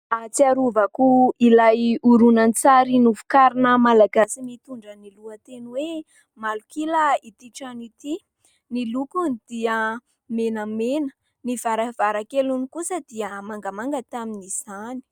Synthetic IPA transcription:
at͡siaɾuvakuilajuɾunant͡saɾinufu̥kaɾinəmalaɡasimit̪uɳɖ͡ʐəniluət̪enwe | malukilait̪iʈ͡ʂanit̪i | nilukunid̪̥iə | menəmenə̥ | nivaɾav̥aɾakelunikusəd̪̥iəmaŋɡamaŋɡət̪aminiz̥ani̥

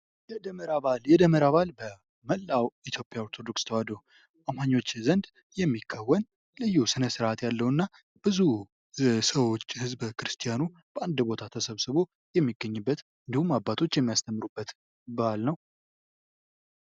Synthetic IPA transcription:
jɛd̪əməɾaβaljɛd̪əməɾaβalbə | məlːawit̪ʰjo̞pʼːjaoɾt̪ʰo̞d̪okst̪ʰəwad̪o | ʔamaɲːo̞t͡ʃːzənd̪ | jɛmːikʰːawːən | lɨjːusɨnəsɨɾʔat̪jalːəhnːa | b̥ɨzu | səwo̞t͡ʃːhɨzbkʰɨɾɨst̪ʰijanu | b̥əʔand̪bo̞t̪ʰat̪ʰəsəβsɨβo̞ | jɛmːiɡːəɲːɨbːət̪ | ɨnd̪ihumːabːat̪ʰo̞t͡ʃːjɛmːijast̪ʰəmːɨɾubːət̪ | baalnəw

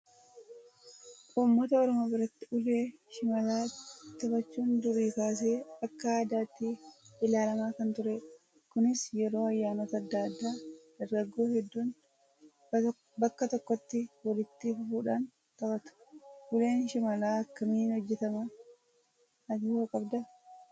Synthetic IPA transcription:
ʔʊmːɔt̪ɐɔɾɔmoːbɪɾɐt̪ːɪʊleːʃɪmɐlaːt̪ɐbɐt͡ʃːuːnd̪ʊɾiːkaːs̬e̞ːɐkːɐaːd̪aːt̪ːiɪlaːlɐmaːkɐnt̪ʊɾe | kʊnɪsjɛɾo̞ːɐjːaːnɔt̪ɐɐd̪ːaːd̪ːaːd̪̥ɐɾɡɐɡːo̞ːhɛd̪ːuːn | bɐkːɐt̪ɔkːɔt̪ːɪwɐlɪt̪ːɪfʊfuːᶑaːn | t̪ɐbɐt̪ʊ̥ʔʊle̞ːnʃɪmɐlaːɐkːɐmiːnhɔd͡ʒːɛt̪ɐmɐ | ɐd͡ʒ̪iːhɐkʼɐbd̪ɐ

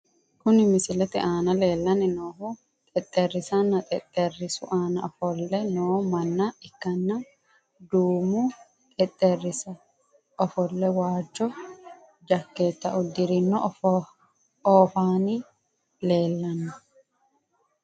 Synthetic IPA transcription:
kʊnɪmɪsɪlɛt̪ɪʔaːnɐle̞ːlːɐnɪnoːɦʊ | t̪ʼɛt̪ʼːɛrːɪsɐnːɐt̪ʼɛt̪ʼːɛrːɪsʊ̰ʔaːnɐɔfɔlːɛnoːmɐnːɐɪkːɐnːɐ | d̪uːmʊ | t̪ʼɛt̪ʼːɛrːɪsɐ | ɔfɔlːɛwaːd͡ʒːɔ | d͡ʒɐkːeːt̪ːɐʔʊd̪ɪɾɪnːɔ | oːfaːnɪ | le̞ːlːɐnːɐ

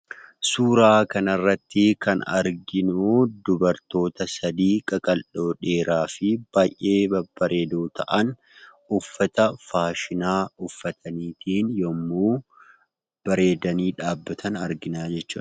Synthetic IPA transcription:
suːɾaːkɐnɐrːɐt̪ːɪkɐnɐ̰ɾɡɪnud̪ʊbɐɾt̪o̞ːt̪ɐsɐd̪iːkʼɐkʼɐlʔo̞ːᶑe̞ːɾaːfɪb̥aːjʔe̞ːbɐb̥ɐɾe̞ːd̪uːt̪ʰɐʔɐn | ʊfːɐt̪ɐfaːʃɪnaːʊfːɐt̪ʰɐniːt̪ʰiːnjɔmːuː | b̥ɐɾe̞ːd̪ɐniːᶑaːbːɐt̪ʰɐnɐɾɡɪnaːd͡ʒɛt͡ʃːṵːɐ

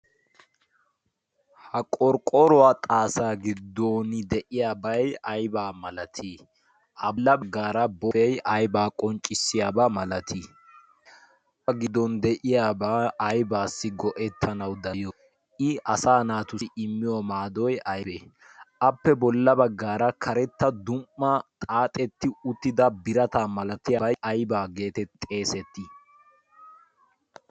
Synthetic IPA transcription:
hɐkʼɔɾkʼːɔɾɔwaːt̪ʼaːsaːɡɪd̪ːoːnɪd̪ɛʔɪjaːbɐjɐjbaːmɐlɐt̪ʰi | ʔɐlːɐbɐɡːaːɾɐbɔɛjɐjbaːkʼɔnt͡ʃʼːɪsːɪjaːbamɐlɐt̪ʰi | ʔɐɡɪd̪ːɔnd̪ɛʔɪjaːbaːjbaːsːɪɡɔʔɛt̪ʰːɐnɐwd̪ɐjɔ | ʔɪɐsaːnaːt̪ʊɪmːɪjɔmaːd̪ɔjɐje | ʔɐpːɛbɔlːɐbɐɡːaːɾɐkʰɐɾɛt̪ːɐd̪ʊmːɐt̪ʼaːt̪ʼɛt̪ːɪʊt̪ːɪd̪ɐbɪɾɐt̪aːmɐlɐt̪ɪjaʔɐjbaːɡe̞ːt̪ɛt̪ʼe̞ːsɛt̪ːɪ

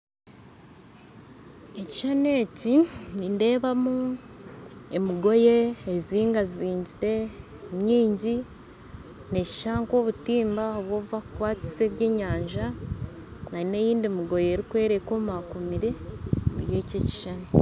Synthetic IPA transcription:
eci̥ʃane̞ːcininde̞ːβamu | e̞miɡo̞jeːziːŋɡaziːɲɟiɾe̞ | ɲɲiːɲɟi | ne̞ci̥ʃaːŋko̞ːβutiːmbaoβwo̞ːβuβakukwaːt͡si̥se̞βje̞ːɲaːɲʒa | naine̞jiːndimiɡo̞jeeːɾikwe̞ːɾeko̞ːmakumiɾe̞mṵɾje̞ːceci̥ʃane

